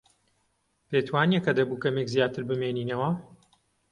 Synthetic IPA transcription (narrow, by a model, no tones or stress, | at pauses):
pet̪waːniɛkɐd̪ɐbuːkɐmekzijaːt̪ɨɾbɨmeːniːnɐwɐ